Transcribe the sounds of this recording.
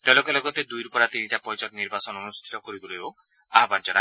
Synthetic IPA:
t̪ɔlɔkɔlɔɡɔt̪ed̪ujɾupɔɾat̪in̤iʈapɔjt͡ʃɔk̪niɾbasɔnɔnust̪ʰi̥t̪ɔkɔɾib̪uɾeo | aɦband͡ʒɔɾa

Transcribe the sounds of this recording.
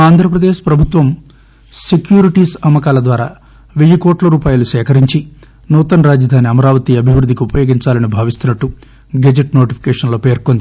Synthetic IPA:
aːnd̪ʱɾɐpɾɐd̪eːʃpɾɐbʱut̪ʋɐm | sekjuːɾiʈiːsɐmːɐkaːlɐd̪ʋaːɾa̰ː | ʋeɭikoːʈlɐɾuːpaːjulusɛːkɐɾiɲt͡ʃi | nuːt̪ɐnɾaːd͡ʒɐd̪ʱaːniɐmɐɾaːʋɐt̪iːɐbʱiʋɾud̪ːikiupɐjo̞ːɡiɲt͡ʃaːlɐnibʱaːʋist̪unɐʈːu | ɡed͡ʒeʈno̞ːʈipʰi̥kɛːʂɐnloːpeːɾkond̪i

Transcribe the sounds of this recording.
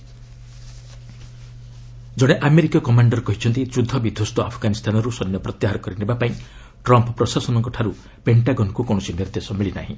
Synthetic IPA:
d͡ʒɔɽ̃eʔameɾikakɔmaɳɖɔɾɔkɔɦit͡ʃʰɔnt̪id͡ʒud̪ʱːɔbid̪ʱost̪ɔapʰɔɡanist̪ʰanɔɾusɔnːjɔpɾɔt̪jaɦaɾɔkɔɾinebapaĩ | ʈɾɔmpɔpɾɔsasɔnɔŋkɔʈʰaɾu | peɳʈaɡɔnɔkukɔɽ̃ɔsiniɾd̪esɔmiɭina̰ɦḭ̃

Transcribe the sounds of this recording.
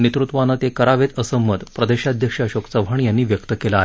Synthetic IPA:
nit̪ɾut̪ʋanːat̪ekəɾaʋet̪əsəmːət̪pɾəd̪eɕad̪ʱjəkʂaɕoksəbʱaɳjanːiːʋjəkt̪əkelaɦ

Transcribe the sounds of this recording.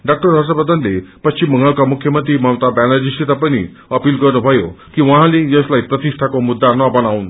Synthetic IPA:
ɖak̚ʈəɾɦas̬əpəd̪ənlepət͡ɕiməŋɡaɭkamukʰjəmənt̪ɾiːmawt̪abɛnad͡ʑiɕit̪apəñḭː | əpiːlkəɾnəbʱajokiʋaɦãlijəslaipɾət̪iʂʈʰakomud̪ːanɔbañauːn

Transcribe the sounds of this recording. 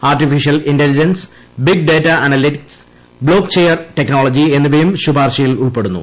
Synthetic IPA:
aːrʈifiʂijɐlintelid͡ʑɐns | biɡ̚ɖeːtːɐʔɐnɐlitiks | bɭo̞ːkt͡ɕeːjɐrʈekno̞ːɭɐd͡ʑie̞nːubejumɕubʱaːrɕɐjiluɭpe̞ɽunːṵ

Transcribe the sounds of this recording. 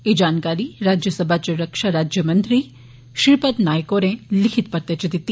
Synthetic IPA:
ed͡ʒaːnkaɾiɾaːd͡ʒjəsəbʱat͡ʃəɾəkʃaɾaːd͡ʒjəmənt̪ɾi | ʃɪɾpət̪naːjkoɾẽlɪkʰit̪pɐɾt̪et͡ʃʰid̪it̪ː

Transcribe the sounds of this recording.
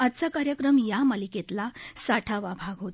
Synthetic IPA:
ad̪t͡sakaɾjəkɾəmjamaliket̪lasaʈʰaʋabʱaɡɦot̪

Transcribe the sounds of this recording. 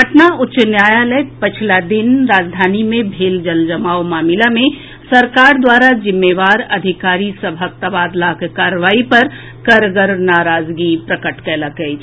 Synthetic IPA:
ɡʱəʈnaʊtːʃnjaːjaləjpɪt͡ʃʰlad̪ɪnɾaːd͡ʒd̪ʱaːnimẽbʱeːld͡ʒəld͡ʒɐmaːomaːmɪlamẽ | sɐɾkaːɾd̪waːɾad͡ʒɪmːeːʋaːɾɐd̪ʱɪkaːɾisɐbʱək̚t̪əbaːd̪lakekaːɾʋaːipɐɾ | kɐɾɡəɾnaːɾaːzɡipɾəkəʈkəlaɡəi

